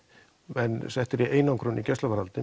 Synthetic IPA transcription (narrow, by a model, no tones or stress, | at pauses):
ɛnsɛht̪ɪɾiʔeːjnawŋkɾʏnʔicɛst̪lavaɾalt̪ɪ